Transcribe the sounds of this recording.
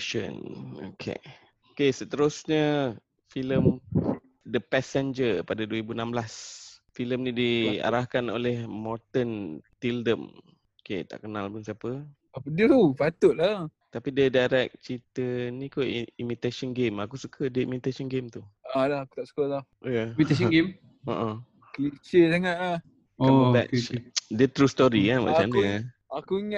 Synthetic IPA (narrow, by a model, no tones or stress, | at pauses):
ʃə̰no̰kʰḛ | okesət̪əɾusɲə | filəm | dəpɛsɛnd͡ʒəpadaduəɾibunãmblasfiləmnĩdia̰ɾahkano̰lɛhmɔt̪ənt̪ildəm | oket̪a̰ʔkənalpunsiapə | adəupat̪ʊʔ̪̚la | t̪apidədaɾɛk̚t͡ʃit̪ənĩkoimit̪asɔnɡemakusukʰədəimit̪asɔnɡemt̪ualahaku̥t̪aʔsu̥kəlahʔjamit̪asɔɡem | əʔə | klit͡ʃesaŋaʔa | kaməbɛ̰dət̪ɾust̪ɔɾiaba̰ʔt͡ʃanə | akuiŋa